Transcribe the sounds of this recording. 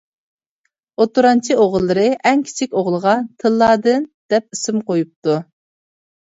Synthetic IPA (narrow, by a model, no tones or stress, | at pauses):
ot̪uɾɑnt͡ʃʰioʁlˠːɨɾɨʔɛŋkʲʰi̥t͡ʃʰikʲoʁlˠəʁɑt̪ʰɨlˠːɑːd̪ɨnd̪̥ɛp̚isɪmqojup̚t̪u